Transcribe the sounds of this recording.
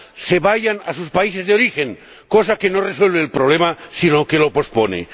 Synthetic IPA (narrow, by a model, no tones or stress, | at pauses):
seβaʝanasuspaise̞zðeo̞ɾixeŋ | kosakenoreswe̞lβeːlpɾoβlemasinokelo̞po̞sponḛ